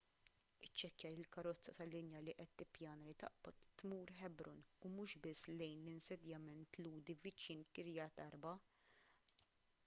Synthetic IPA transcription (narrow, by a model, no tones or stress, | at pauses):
ɪt͡ʃːɛkjɐɪlkɐɾɔt͡sːɐt̪ɐlːɪnjɐliʔɛt̪ːɪpjɐːnɾit̪ɐ̰ʔbɔt̪ːmuːɾħɛbɾʊnumuʃbɪsːlɛjnlɪnsɛd̪jɐmɛnt̪luːd̪ivɪt͡ʃːiːnkɪɾjɐt̪ɐɾbɐ